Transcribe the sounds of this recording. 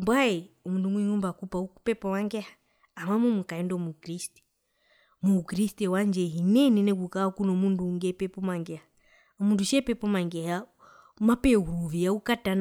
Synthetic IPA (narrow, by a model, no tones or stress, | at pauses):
mbwaɛɔmundumwiŋumbakupaupɛpɔmaŋɡɛhḁː | mamumukaɛndɔmukɾisti̥ | mukɾistɛwand͡ʒɛɦinɛnɛnɛkukaakunɔmunduːŋɡɛpɛpɔmaŋɡɛha | ɔmunduʃɛpɛpɔmaŋɡɛha | mapɛuɾuviaukatan